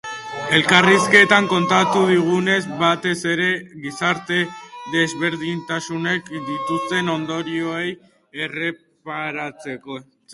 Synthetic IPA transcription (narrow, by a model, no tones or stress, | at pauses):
e̞lkariske̞t̪aŋko̞nt̪at̪uðiɣ̞une̞zβat̪e̞se̞ɾe̞ɣisaɾt̪e̞ðe̞zβe̞ɾðiɲt̪asune̞kd̪it̪ust̪e̞no̞nd̪o̞ɾio̞ej | ere̞ | paɾat͡se̞ko̞